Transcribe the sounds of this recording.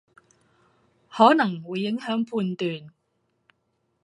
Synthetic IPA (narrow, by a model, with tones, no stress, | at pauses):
hɔː˨˥nɐ˨˩ŋwuː˨˧jːɪ˨˥ŋɦœː˨˥ŋpʰuː˧nt̪yː˨n